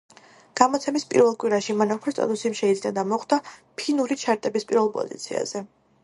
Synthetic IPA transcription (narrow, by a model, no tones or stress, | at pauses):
ɡ̥amɔt̪sʰɛmispʼḭɾvɛlˠkʼwiɾaʃimanapʰist̪ʼa̰t̪ʼusimʃɛid̪znad̪amɔχd̪apʰinuɾit͡ʃʰaɾt̪ʼɛbispʼiɾvɛlˠpʼɔ̰zḭt̪sʰḭa̰z̥ɛ